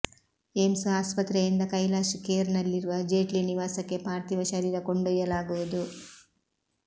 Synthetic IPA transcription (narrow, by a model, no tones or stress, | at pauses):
emsaːspɐt̪ɾɛjind̪ɐkɐjlaːʃikeːɾnɐlːiɾuʋɐd͡ʒeːʈliniʋaːsɐkːe̞paːɾt̪iʋɐʃɐɾiːɾɐkoɳɖujɐlaːɡuʋud̪u